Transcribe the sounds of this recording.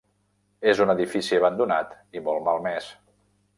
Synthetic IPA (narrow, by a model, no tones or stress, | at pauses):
ezunəðifisiəβənd̪unat̪ | imɔlˠmalˠmɛs